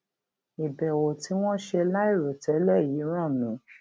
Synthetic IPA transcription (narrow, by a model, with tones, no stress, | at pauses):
i˨bɛ˨wo˨ti˨˦w̃ɔ̃˦ʃe˧la˦i˦˨ɾo˨tɛ˨˦lɛ˦˨ji˨˦ɾ̃ɔ̃˦˨nũ˨˦